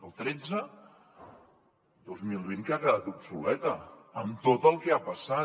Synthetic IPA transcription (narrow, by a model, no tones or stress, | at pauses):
əlˠt̪ɾɛd͡zə | d̪ozmilˠβiŋkakəðat̪upsulɛt̪əəmt̪ot̪əlˠkɛapəsa